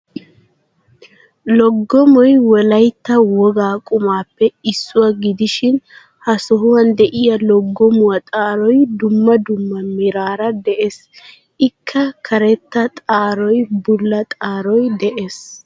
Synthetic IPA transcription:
lɔɡːɔmɔjwɔlɐjt̪ːɐwɔɡaːkʼʊmaːpːɛɪsːʊwaɡɪd̪ɪʃɪn | hɐsɔɦʊwɐnd̪ɛʔɪjɐlɔɡːɔmʊwɐt̪ʼaːɾɔjd̪ʊmːɐd̪ʊmːɐmɪɾaːɾɐd̪ɛʔeːs | ʔɪkʰːɐkʰɐɾɛt̪ːɐt̪ʼaːɾɔjbʊlːɐt̪ʼaːɾɔjd̪ɛʔeːs

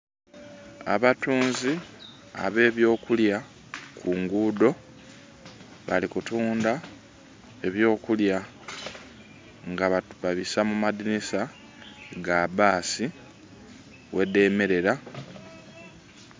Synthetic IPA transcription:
a̰βatuːnzi | a̰βe̞ːβjo̞ːkulja | kʰuŋɡuːdo̞ | βalikutuːnda | e̞βjo̞ːkulja | ŋɡaβaβaβisamumadinisa | ɡabaːsi | wʔe̞de̞ːme̞ɾe̞ɾa

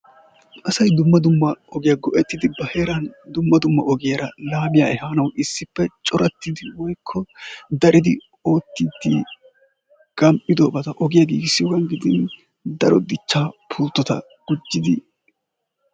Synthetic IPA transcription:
ʔɐsɐjd̪ʊmːɐd̪ʊmːɐɔɡɪjaɡɔʔɛt̪ːɪd̪ɪbɐhe̞ːɾɐnd̪ʊmːɐd̪ʊmːɐ̰ʔɔɡɪjɐɾɐlaːbɪjaːʔɛhaːnɐwʔɪsːɪpːɛt͡ʃʼɔɾɐt̪ːɪd̪ɪwɔjkʰːɔd̪ɐɾɪd̪ɪ̰ | o̞ːt̪ːiːd̪ːḭ | ɡ̥ɐmpʼːɪd̪oːbɐt̪ɐʔɔɡɪjaɡḭːɡsːɪwɡɐnɡɪd̪ɪn | d̪ɐɾɔd̪ɪt͡ʃːaːpʰuːlt̪ːɔt̪ɐ̰ | ɡ̥ʊd͡ʒːɪd̪ɪ

